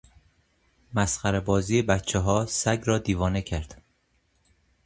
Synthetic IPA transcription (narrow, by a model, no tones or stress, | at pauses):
mæsχæɾebɒːziːebæt̪t͡ʃʰeɦɒːsæɟɾɒːd̪iːvɒːnecʰæɾd̪̥